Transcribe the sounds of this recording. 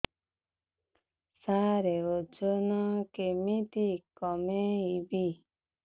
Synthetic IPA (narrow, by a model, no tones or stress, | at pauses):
saɾeod͡ʒonɔkemit̪ikɔmeibi